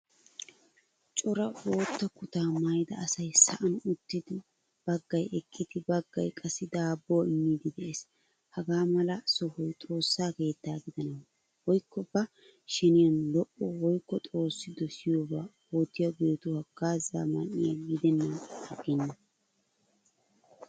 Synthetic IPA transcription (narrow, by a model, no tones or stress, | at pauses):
t͡ʃʼɔɾɐo̞ːt̪ːɐkʊt̪aːmɐjd̪ɐɐsɐjsɐʔɐnʊt̪ːɪd̪ɪ | b̥ɐɡːɐjɛkʼːɪd̪ɪbɐɡːɐ̰jkʼɐsːɪd̪aːbːoːɪmːiːd̪ɪd̪ɛʔe̞ːs | hɐɡaːmɐlɐsɔhɔjt̪ʼo̞ːsːaːke̞ːt̪ːaːɡɪd̪ɐnɐw | wɔjkːɔbɐ | ʃɛnɪjɐnlɔʔɔwɔjkːɔt̪ʼo̞ːsːɪd̪ɔsɪjoːbaː | oːt̪ːɪjɐbe̞ːt̪ʊhɐɡaːza̰ːmɐnɪjɐɡɪd̪ɛnːɐnɐɡɛnːɐ